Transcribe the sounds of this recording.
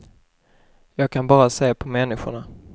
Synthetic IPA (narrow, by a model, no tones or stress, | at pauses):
jɑːɡ̚kʰanbɑːɾaseːpʰɔmɛnːɪɧʊ̰ɳa